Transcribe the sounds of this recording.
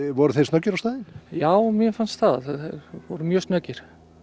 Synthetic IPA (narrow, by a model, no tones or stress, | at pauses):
vɔɾʏθejstnœcːɪɾawst̪aːðɪnjaːwmjɛfanst̪θaðavɔɾʏmjœːst̪nœcːɪɾ̥